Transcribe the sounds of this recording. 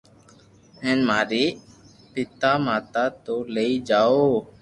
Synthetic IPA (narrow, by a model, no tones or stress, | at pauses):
ɦẽːnmaːɾiː | pɪt̪aːmaːt̪aːt̪oːleiːd͡ʒaːoː